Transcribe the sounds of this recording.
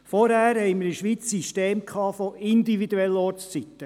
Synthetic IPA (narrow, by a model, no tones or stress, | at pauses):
fɔɾhæːɾhɛɪməɾəʃʋiːt͡ssiʃteːmkʰɑːfɔʔind̪ivid̪uɛlːɔɾst͡sit̪ːə